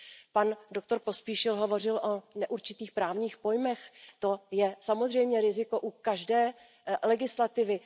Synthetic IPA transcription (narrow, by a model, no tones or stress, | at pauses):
pando̞k̚t̪o̞ɾpo̞spiːʃɪlɦo̞vo̞r̝ɪlʔo̞nɛʔuɾt͡ʃɪt̪iːxpɾaːvɲiːxpo̞jmɛxt̪o̞jɛsamozr̝ɛjmɲɛɾɪzɪko̞ʔukaʒdɛː | lɛɡɪslat̪ɪvɪ